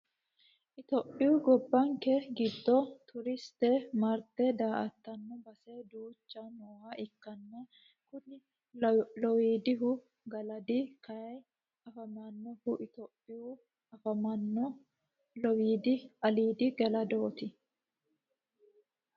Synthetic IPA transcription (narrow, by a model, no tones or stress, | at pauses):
ʔɪt̪opʼːɪjuːɡɔbːɐŋkɛɡɪd̪ːɔt̪ʰʊɾɪst̪ɛmɐɾt̪ːɛd̪aːʔɐt̪ːɐnːɔbɐsed̪uːt͡ʃːɐnoːhɐʔɪkːɐnːɛ | kʊnɪ | lɔwiːd̪ɪɦʊ | ɡɐlɐd̪ɪkɐɐj | ɐfɐmɐnːɔhʊʔɪt̪opʼːɪju | ɐfɐmɐnːɔ | lɔwiːd̪ɪɐliːd̪ɪɡɛlɐd̪oːt̪ɪ